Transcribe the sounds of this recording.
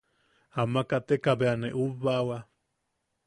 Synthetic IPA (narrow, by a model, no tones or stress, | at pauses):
amakat̪ekabeaneʔuβawa